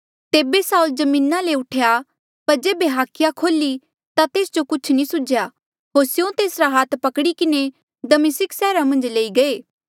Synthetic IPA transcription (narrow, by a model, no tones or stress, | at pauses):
t̪eːbesaːuld͡ʒɐmĩːnaleʊʈʰeja | pɐɾd͡ʒeːbeɦaːkʰːɪjakʰoːli | t̪at̪eːsd͡ʒokʊt͡ʃʰnĩsʊd͡ʒja | ɦoːɾsjõt̪eːsɾaɦaːt̪ʰpɐkɽikɪne | d̪ɐmɪsɪksɛːɾamɐ̃nd͡ʒleːiɡɐeː